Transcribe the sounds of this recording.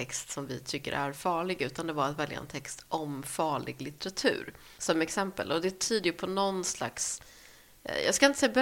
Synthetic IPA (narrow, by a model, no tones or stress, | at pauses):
ɛkst̪sɔmvɪt̪ʰʏkːə̰ɾʔæɾfɑːɭɪɡʉ̟ːt̪and̪ɛbɑːɾat̪vɛlja̰ɛ̰nt̪ʰɛkst̪ʔɔmfɑːɭɪ̰ɡlɪt̪əɾat̪ʰʉ̟̰ːɾ | sɔmɛksɛmpə̰lɔd̪ɛt̪ʰyːd̪əjɵpʰɔnɔnsla̰ks | jɑːɡskaɪnt̪əsɛjːab